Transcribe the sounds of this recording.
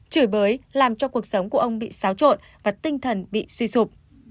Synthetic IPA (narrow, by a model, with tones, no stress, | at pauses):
t͡ɕɨ˧˩jɓəː˨˦jlaː˨˩mt͡ɕɔ˧ku˨˩ək̚sə˨˦wŋ͡mku˧˩əʔə˧wŋ͡mɓḭ˧˨saː˨˦wt͡ɕo̰˧˨n | vaː˨˩t̪ï˧ŋ̟t̪ʰə˨˩nɓḭ˧˨swi˧sʊ˨˩k͡p̚